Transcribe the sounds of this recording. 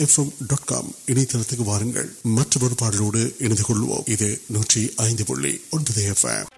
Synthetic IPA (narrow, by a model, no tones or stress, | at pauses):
ɛfɛmɖɔːʈka̰ːmɪnɐɪt̪ːɐlɐt̪ːɯkːɯʋaːɾɯŋɡɐ̰ɭmɐʈrɐʋɐɾɯpaːɽɐloːɽɯʔɛnɐnd̪ɯkɔɭːɯʋo̰ːmɪðɯnuːʈriɐɪnd̪ɯpɔ̰ɭːḭɔndɯðeɛfɛ̰m